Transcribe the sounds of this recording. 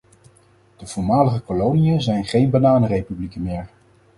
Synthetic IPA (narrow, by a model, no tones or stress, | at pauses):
d̥əv̥ʊːɹmaːləχəkolownijəzɛjnχejnbanaːnərejpyblikənmɪːɹ